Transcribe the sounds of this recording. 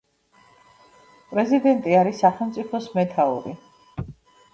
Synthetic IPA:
pʼɾɛzid̪ɛnt̪ʼiaɾisːaχɛlˠmt̪sʼipʰɔsmɛt̪ʰaṵɾḭ

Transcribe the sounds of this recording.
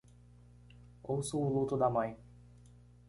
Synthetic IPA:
owsuːlut̪ʊd̪ɐmɐ̃j̃

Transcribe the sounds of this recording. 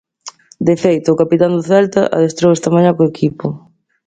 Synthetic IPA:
d̪efejt̪ʊːkapit̪and̪ʊθɛlt̪a̰ʔa̰ðest̪ɾowɛst̪ɐmãɲakoekʰipʊ

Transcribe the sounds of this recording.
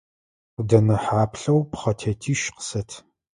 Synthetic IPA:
ʊdɐnɐħaːpɬɐwpχɐtʰetʰiːʃqə̥sɐtʰ

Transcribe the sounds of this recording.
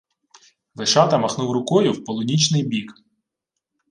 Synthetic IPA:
ʋeʃɑt̪ɐmɐxnuwɾʊkɔjʊwpɔlˠɔnʲit͡ʃnɪjbʲik

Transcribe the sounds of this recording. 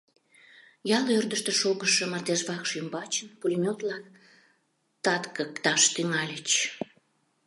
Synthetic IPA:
jɑlørd̪əʃt̪əʃoɣəʃəmərd̪eʒβɑkʃymbɑt͡ɕənpulʲimʲot̪lɑk̚ | t̪ɑt̪kəkt̪ɑʃt̪yŋɑlʲət͡ɕ

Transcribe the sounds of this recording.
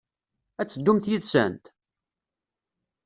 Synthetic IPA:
æt͡sːəd̪ːumθjiðsæ̰nt̪

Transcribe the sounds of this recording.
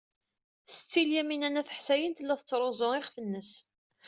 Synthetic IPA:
sət͡sːiljæminænæθə̥ħsæjənt̪lːæθət͡sːɾˤozˤoɪχfənːəs

